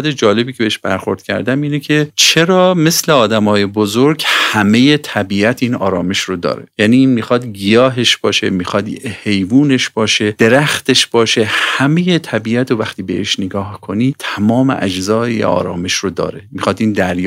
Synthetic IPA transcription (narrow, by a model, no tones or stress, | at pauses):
d̪ed͡ʒɒːle̞biːcʰe̞beeʃb̥æ̰ɾxo̞ɾd̪̥̚cʲʰæ̰ɾd̪æmiːnecʰe̞t͡ʃʰe̞ɾɒːme̞sleɒːd̪æmɒːje̞bozoɾɡhæme̞je̞t̪ʰæbiːæt̪ʰiːnɒːɾɒːme̞ʃɾod̪ɒ̰ːɾḛjæniːiːnmiːxɒd̪ɡijɒːɦe̞ʃb̥ɒːʃḛmiːxɒd̪hejvuːne̞ʃb̥ɒːʃe̞d̪̥e̞ɾæxt̪e̞ʃb̥ɒːʃe̞hæmeje̞t̪ʰæbiːæt̪ʰovæxt̪iːbeʔeʃneɡɒːhkʰo̞niːt̪ʰæmɒːmḛʔæ̰d͡ʒzɒːḛɒ̰ːɾɒ̰ːmeʃɾod̪ɒ̰ːɾemixɒːd̪iːnd̪æɾj